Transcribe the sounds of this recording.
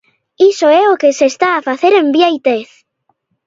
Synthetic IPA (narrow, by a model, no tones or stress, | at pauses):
isoɛokesest̪aːfaθeɾembjajt̪eθ